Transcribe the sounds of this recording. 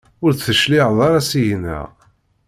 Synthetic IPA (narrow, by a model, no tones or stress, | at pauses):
ʊɾθəʃliʕðˤɑɾˤɑsiʝənːə̰ʁ